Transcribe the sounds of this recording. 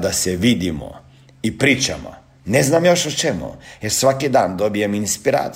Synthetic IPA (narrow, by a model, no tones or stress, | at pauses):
d̪aseʋid̪imo̰ | ipɾiːt͡ʃa̰mo̰ | neznamjoʃot͡ʃemṵjeɾsʋakid̪aːnd̪obieminspiɾa̰ːt̪